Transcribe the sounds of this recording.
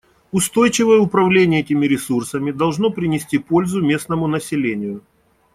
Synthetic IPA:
ʊst̪o̞jt͡ɕɪvəjəʊpɾɐvlʲenʲɪjəɛtʲɪmʲɪɾʲɪsursəmʲɪd̪ɐlˠʐnopɾʲɪnʲɪsʲtʲipo̞lʲzʊmʲe̞snəmʊnəsʲɪlʲenʲɪjʊ

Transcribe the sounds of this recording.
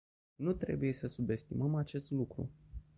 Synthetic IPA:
nut̪ɾe̞̰buje̞səsube̞st̪iməmat͡ʃe̞st̪lukɾṵ

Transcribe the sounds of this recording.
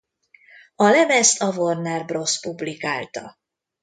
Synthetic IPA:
ɒlɛmɛst̪ʰɒvornɛrbro̞spublika̰ːlt̪ɒ̰

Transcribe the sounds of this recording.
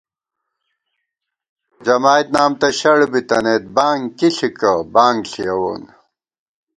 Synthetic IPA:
d͡ʑɐmaːit̪naːmt̪ɐɕɐɽbit̪ɐneːt̪̚baːŋkiɬikɐbaːŋɡɬijɐwo̰ːn

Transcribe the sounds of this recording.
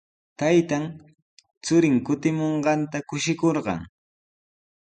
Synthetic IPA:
t̪ajt̪an | t͡sʊɾɪŋkʊt̪ɪmoɴɢɑnt̪akʊʃɪkoɾɢɑ̰ŋ

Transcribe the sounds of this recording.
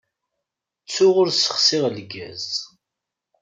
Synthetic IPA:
t͡sːʊʁʊɾsə̥χsɪʁlɡːæ̰z

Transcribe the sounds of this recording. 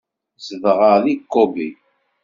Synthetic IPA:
zəvʁəðiqːobi

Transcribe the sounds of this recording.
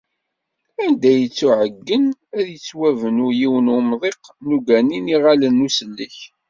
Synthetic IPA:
ænd̪æjət͡sːuʕəɡːənæðjət͡sːwævənʊɾjiwənʊmðˤeqnuɡæniniʁalənːusəlːəç

